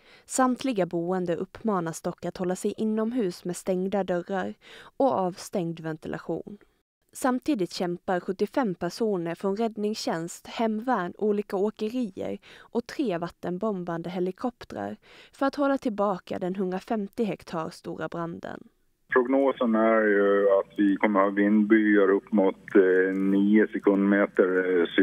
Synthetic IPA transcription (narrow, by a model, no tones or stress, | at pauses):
samt̪ʰlɪɡabuːənd̪əʔɵpʰːmɑːnasd̪ɔkːat̪hɔlːasɛjʔɪnːɔmɦʉ̟ːsmɛːst̪ɛŋd̪ad̪œɾaɾɔɑːvst̪ɛŋd̪vɛnt̪ɪlʔa̰ɧṵːn | samt̪ʰiːd̪ɪt̪ɕɛmpaɾɧɵt̪ːɪfɛmːpʰæʂuːnəɾfɾɔnɾɛd̪nɪŋsɕɛnst̪hɛmvæːɳuːliːkaokəɾiːə̰ɾʔɔt̪ʰɾeːvat̪ːənbɔmband̪əɦɛlɪkʰɔpt̪ɾə̰ɾfœɾat̪hɔlːat̪ʰɪlbɑːka̰d̪ɛnɦɵnd̪ɾafɛmt̪ɪɦɛkt̪ʰɑːɾst̪ṵːɾabɾand̪ə̰n | pʰɾʊɡnoːsənæɾjɵat̪vɪkʰɔmːəɾhɑːvɪnd̪byaɾɵpːmʊt̪niːʊsɛkʰɵnd̪meːt̪əɾs